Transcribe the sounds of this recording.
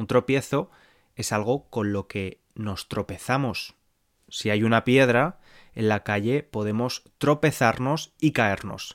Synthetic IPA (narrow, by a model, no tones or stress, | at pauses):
unt̪ɾo̞pje̞θo̞ | e̞salɣ̞o̞ko̞nlo̞ke̞ | no̞st̪ɾo̞pe̞θamo̞sː | iajunapje̞ð̞ɾa | e̞nlakaʎe̞po̞ðe̞mo̞st̪ɾo̞pe̞θaɾno̞sikae̞ɾno̞̰s